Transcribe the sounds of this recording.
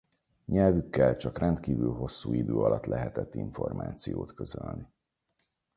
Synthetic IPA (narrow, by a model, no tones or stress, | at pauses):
ɲɛlvykːɛlt͡ʃɒkrɛnt̪kiːvylɦo̞sːuːid̪øːɒlɒt̪lʔɛɦɛt̪ɛt̪ːiɱfo̞rma̰ːt̪sijoːt̪køzølni